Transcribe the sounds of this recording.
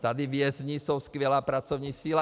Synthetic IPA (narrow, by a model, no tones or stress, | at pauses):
t̪ad̪iʋɪɛzɲisɔwskʋɛlaːpɾat͡sɔʊɲiːsila